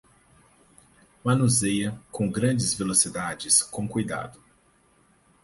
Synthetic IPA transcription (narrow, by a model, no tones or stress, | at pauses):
mɐ̃nuzejɐkõɡɾɐ̃d͡ʒɪzvelosid̪ad͡ʒɪskõkujd̪a̰d̪ʊ